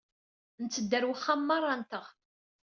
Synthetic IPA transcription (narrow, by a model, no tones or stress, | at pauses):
nt͡sːəd̪ːəɾwəχːamːɑrˤːɑnt̪əʁ